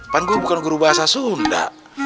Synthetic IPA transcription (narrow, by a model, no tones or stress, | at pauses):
paŋɡubukanɡuɾubaɦasasunda̰